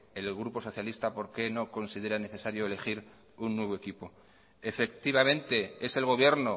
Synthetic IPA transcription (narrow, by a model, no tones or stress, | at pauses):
e̞lɣɾupo̞so̞θjalist̪apo̞ɾke̞no̞ko̞nsið̞e̞ɾane̞θe̞saɾjo̞ele̞xiɾ | unːweβ̞oe̞kipo̞ | e̞fe̞k̚t̪iβamẽ̞nt̪e̞e̞se̞lɣ̞o̞β̞je̞ɾno